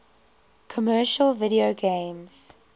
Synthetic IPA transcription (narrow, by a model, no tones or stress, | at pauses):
kʰɔmɜːʃəlvɪɾioɡẽːmz̥